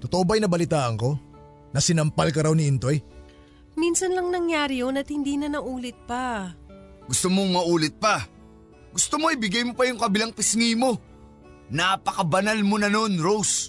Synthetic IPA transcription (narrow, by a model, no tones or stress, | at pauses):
t̪ot̪oʔobɐjnɐbɐlɪt̪aːʔɐŋko̞ | nɐsɪnɐmpalkɐɾawnɪʔɪnt̪o̞j | minsɐnlɐŋnɐŋjaːɾɪjonɐt̪hɪnd̪iːnɐnɐʔuːlɪt̪̚pɐ | ɡ̥ʊst̪omoŋmɐʔuːlɪt̪̚pɐ | ɡʊst̪omoɪbɪɡajmopɐjʊŋkɐbɪlaŋpɪsŋimo̞ | naːpɐkɐbɐnalmonɐno̞nɾows